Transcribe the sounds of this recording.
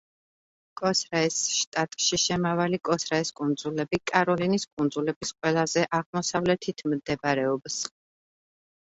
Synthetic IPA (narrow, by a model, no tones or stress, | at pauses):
kʼɔsɾɛɛsʃt̪ʼat̪ʼʃiʃɛmavalikʼɔsɾɛɛskʼund̪zulɛbikʼaɾɔliniskʼund̪zulɛbisqʼwɛlˠazɛʔaʁmɔsavlɛt̪ʰit̪ʰmd̪ɛbɾɛɔbs